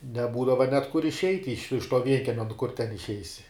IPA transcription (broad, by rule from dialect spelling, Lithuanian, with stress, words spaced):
nʲɛˈbuːdɐʋɐ nʲɛt kʊr ɪʃʲˈɛɪtʲ ɪʃ ɪʃ toː ˈʋʲiɛŋʲkʲiɛmʲɛ nʊ kʊr tʲɛn ɪʃʲˈɛɪsʲɪ